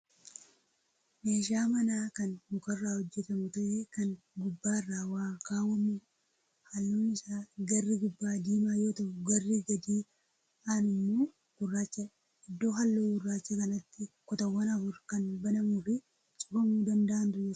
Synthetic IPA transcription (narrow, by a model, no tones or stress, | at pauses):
meːʃaːmɐnaːkɐnhʊkɐrːaːhɔd͡ʒːɛt̪ɐmʊt̪ɐʔeːkɐn | ɡʊbːaːrːaːwaːkaːwɐmʊ | hɐlːoːnɪsaːɡɐrːiɡʊbːaːd̪iːmaːjo̞ːt̪ɐʔʊɡɐrːɪɡɐd̪iː | aːnʊmːoː | kʊrːaːt͡ʃːɐ | ɪd̪ːo̞ːɦɐlːoːɡʊrːaːt͡ʃːɐkɐnɐt̪ːɪkɔt̪ɐwːɐnɐfʊɾkɐnbɐnɐmuːfɪ | t͡ʃʼʊfɐmuːd̪ɐnd̪ɐʔɐnt̪ʊɛ